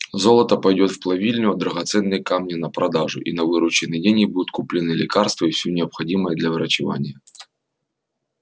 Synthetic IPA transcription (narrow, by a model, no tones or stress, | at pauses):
zolˠət̪əpɐjdʲot̪fplˠɐvʲilʲnʲʊɐd̪ɾɐɣɐt̪sɛnːɨjkamnʲɪnɐpɾɐd̪aʐʊ̰ʔinɐvɨɾʊt͡ɕɪnɨjdʲenʲɡʲɪbud̪ʊt̪̚kʊplʲɪnɨlʲɪkarst̪vəifsʲunʲɪɐpxɐdʲiməjəd̪lʲɐvɨɾət͡ɕɪva̰nʲɪjə